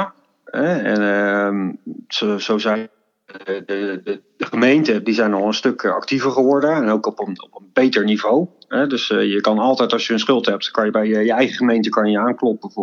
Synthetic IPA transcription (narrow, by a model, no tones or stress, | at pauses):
ɛɛnmsozowzɛ | dədəχəmejntədizɛjnɑlˠənstɵkʰɑ̰ktivəɹχəʋɔɹdənɛnowkɔpənɔpənbejtəɹnivowɦɛdɵsjəkɑnɑlˠtɛjtɑlˠsjəənsχɵlˠtɦɛp̚tkɑnjəbɛjjəjəɛjχəχəmejntəkɑnjəjəaːŋklɔpəəv